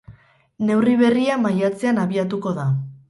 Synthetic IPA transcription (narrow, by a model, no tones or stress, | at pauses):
ne̞wriβe̞riamajat͡se̞anaβiat̪uko̞ða